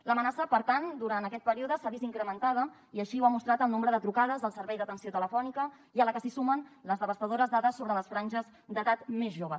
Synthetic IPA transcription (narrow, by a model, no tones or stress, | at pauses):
ləmənasəpəɾt̪and̪uɾant̪əkɛt̪pəɾiuðəsaðiziŋkɾəmənt̪að̞ə | iəʃiuwamust̪ɾat̪əlˠnõmbɾəðət̪ɾukaðəzðəlˠsəɾβɛjðət̪ənsiot̪ələfɔnikə | iələkəsisumənləzðəβ̞əst̪əðoɾəzðaðəsːoβɾələsfɾanʲʒəz | d̪ət̪at̪mezʒoβəs